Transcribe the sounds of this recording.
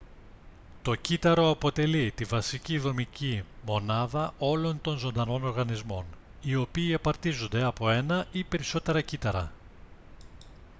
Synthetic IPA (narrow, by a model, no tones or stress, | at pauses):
t̪o̞cit̪ɐɾo̞ɐpo̞t̪e̞lit̪ivɐsiciðo̞micimo̞nɐðɐʔo̞lo̞nt̪o̞nzo̞nd̪ɐno̞no̞ɾɣɐnizmo̞n | io̞piːɐpɐɾt̪izo̞nd̪e̞ɐpo̞e̞nɐʔipe̞ɾiso̞t̪e̞ɾɐcit̪ɐɾɐ̰